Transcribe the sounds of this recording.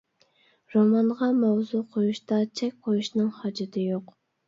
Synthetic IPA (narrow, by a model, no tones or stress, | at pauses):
ɾomɑɴʁɑmɑwzuqʰojuʃt̪ɑt͡ʃʰɛkʲqʰojuʃnɨŋhɑd͡ʒɪt̪ʰɨjoq